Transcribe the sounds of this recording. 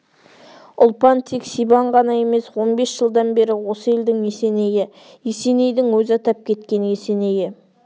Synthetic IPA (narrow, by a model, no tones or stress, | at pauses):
ʊlˠpɑnt̪ʰeksijbɑɴʁɑnɑje̞me̞swo̞nbe̞sʒəlˠd̪ɑnbe̞ɾɪwo̞səe̞ld̪ɪŋmese̞ne̞jɪ | jese̞ne̞jd̪ɪŋwɵzɪɑt̪ɑp̚kʲʰe̞t̪kʲe̞ne̞se̞ne̞jɪ